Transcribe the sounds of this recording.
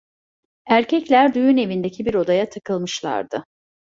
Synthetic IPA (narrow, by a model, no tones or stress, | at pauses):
æɾcʰɛclʲæɾd̪ujyne̞vind̪e̞cʰibiɾo̞d̪ajat̪ʰakɯlˠmɯʃlˠa̰ɾd̪ɯ